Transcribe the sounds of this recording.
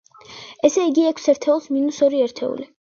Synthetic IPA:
ɛsɛiɡiɛkʰsɛɾt̪ʰɛulˠsminusɔɾiɛɾt̪ʰɛ̰ṵli

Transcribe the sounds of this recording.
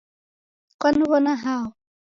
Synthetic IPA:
kanwɔnaɦaw

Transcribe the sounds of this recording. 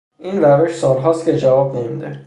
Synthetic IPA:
ʔiːnɾæveʃsɒːlɦɒːst̪̚cʰe̞d͡ʒævɒːbnemid̪e

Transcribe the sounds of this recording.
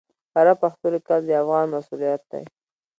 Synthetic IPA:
haɾapaxt̪əlekald̪əafɣɑnmasulijat̪̚d̪a̰j

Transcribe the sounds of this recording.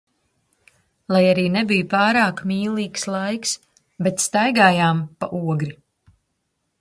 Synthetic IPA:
lˠajaɾiːnɛbijupaːɾaːkmiːlˠiːkslˠajks | bɛt̪st̪ajɡaːjaːmpaʔuɔɡɾi

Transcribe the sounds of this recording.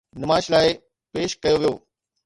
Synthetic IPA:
nɪmaːʃlaːɪ | peːʃkɐjoʋijo̰ː

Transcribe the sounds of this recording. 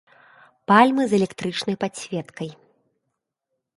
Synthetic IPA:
palʲmɨzɛlʲɛkt̪ɾɨt͡ʂnɐjpasʲvʲɛt̪kɐj

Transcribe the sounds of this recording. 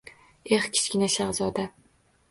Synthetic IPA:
eχkʲʰɪ̥skʲɪnaʃaʁzɒd̪a

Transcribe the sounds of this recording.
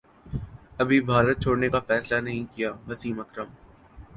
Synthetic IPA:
ɐbʱibʱaːɾət̪̚t͡ʃʰoːɽnekafɛːslanɐɦĩkijaːʋɐsiːmɐkɾəm

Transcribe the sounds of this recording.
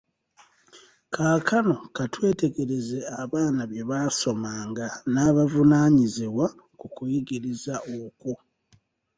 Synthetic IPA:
kaːkʰano̞katwe̞ːte̞ɡe̞ɾe̞ze̞aβaːnaβje̞βaːso̞maːŋɡanaːβavunaːɲiziwa | kukujiɡiɾizaoko

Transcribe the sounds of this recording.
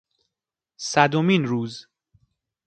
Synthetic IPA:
sæd̪omiːnɾuːz

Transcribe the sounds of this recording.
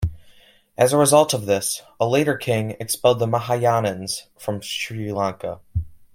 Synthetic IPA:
ʔɨzəɹɨzʌlˠtʌvðɪs | əleɪɾə˞kʰɪ̃ŋɨkspɛlˠd̪̚ðəməɦajɑnɨ̃nz̥fɹʌ̃mʃɹilɑ̃ŋkə̰

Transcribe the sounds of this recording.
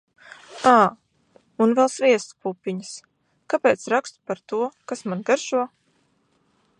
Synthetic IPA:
aː | unvɛlˠsviɛst̪puːpʲiɲəs | kapʲɛːt̪sɾakst̪u̥paɾt̪uɔkasmanɡaɾʒuɔ

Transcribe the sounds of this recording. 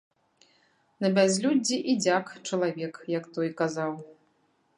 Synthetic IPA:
nɐbʲazʲlʲud͡zʲːiʔid͡zʲakt͡ʂɐlˠavʲɛkjɐkt̪ɔjkazaw

